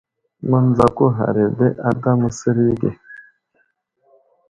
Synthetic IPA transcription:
ŋʷa˦n˦d͡za˨ko˦ɦa̰˨ɾe˨be˦ʔa˦da˦mu˨se˦ɾi˦ɡe˨

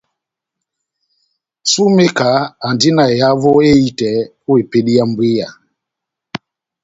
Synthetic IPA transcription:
su˦me˦ka˨˦a˨ndi˦na˨ja˦vɔ˦e˦i˦tɛ˨˦ | u˦e˨pe˦ɗi˦a˦mbwi˦ja˨

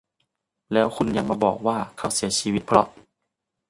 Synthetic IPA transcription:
lɛː˦˥wkʰu˧˥nɲa˧˥ŋ̚maː˧˩bɔ̰ː˨˩k̚waː˧˩kʰa˧˥˩wsi˩˦ɐt͡ɕʰiː˧wi˦t̪̚pʰlɔ̰˦˥ʔ

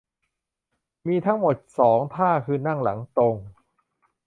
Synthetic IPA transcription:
miː˧t̪ʰa˦˥ŋmo˨˩t̪̚sɔː˩˦ŋt̪ʰaː˥˩kʰɯː˧na˥˩ŋla̰˩˦ŋt̪o˧ŋ

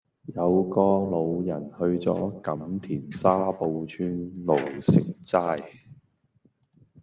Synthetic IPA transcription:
jɐ˨˧wkɔː˧lo˨˧wjɐ˨˩nhɵ˧ɥt͡sɔ̰ː˨˥kɐ˨˥mt̪ʰiː˨˩nsaː˥po˧wt͡ʃʰyː˥nlo˨˩wsɪ˨k̚t͡saː˥j

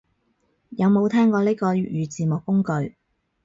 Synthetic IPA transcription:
jɐ˨˧wmo˨˧wt̪ʰɛː˥ŋkɔː˧liː˥kɔː˧˨jyː˨˧t͡siː˨mʊ˨kːʊ˥ŋkɵ˨˧ɥ

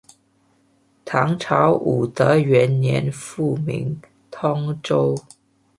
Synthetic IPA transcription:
t̪ʰɑ˧˥ŋʈ͡ʂʰɑ˧˥ʊʔu˨˩t̪ə˧˦˥ɥɛ˧˥nnjɛ˧˥nfu˥˩mḭ˧˥ŋ | t̪ʰɔ˥ŋʈ͡ʂo˥ʊ

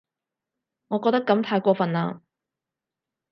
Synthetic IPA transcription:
ŋɔː˨˧kɔː˧t̪ɐ˥kːɐ˨˥mt̪ʰaː˧jkʷɔː˧fɐ˨naː˧

